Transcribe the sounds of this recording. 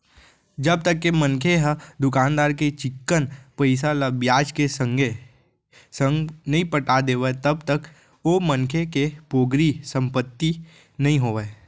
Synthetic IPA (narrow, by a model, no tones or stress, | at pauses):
d͡ʒɐb̚t̪əkːemə̃nkʰeɦəd̪ʊkaːnd̪aːɾket͡ʃɪkːənpəɪs̬aləbjaːd͡ʒkesə̃ŋɡe | sə̃ŋɡnɐɦĩpəʈad̪eːʋet̪ɐb̚t̪ək | omənkʰekepoːɡɾisə̃mpət̪ːi | nɐɦĩɦoːʋe